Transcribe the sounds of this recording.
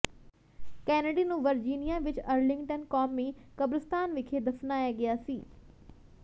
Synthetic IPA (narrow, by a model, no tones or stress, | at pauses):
kɛːnəɖinũːʋɐɾd͡ʒiːnijaʋɪt͡ʃɐɾlɪ̃ŋɡʈənkɔːmːẽkɐbɾɪst̪aːnʋɪkʰed̪ɐfnaːjaɡɪjaːsiː